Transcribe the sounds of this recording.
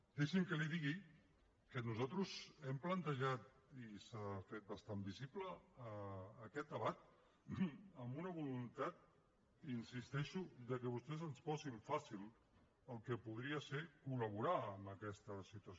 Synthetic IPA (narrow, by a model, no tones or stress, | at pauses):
d̪eʃiŋkəliðiɣi | kənuzalt̪ɾuzɛmplənt̪əʒat̪ | isafet̪̚bəst̪ambizipləː | kɛt̪̚d̪əβat̪̚ | əmbunəβulunt̪at̪̚ | insist̪ɛʃuðəkəβ̞ust̪ɛzənsfɔsiɱfasilˠ | əlˠkəpuð̞ɾiəseɾkuləβ̞uɾaəmbəkɛst̪əsit̪uəs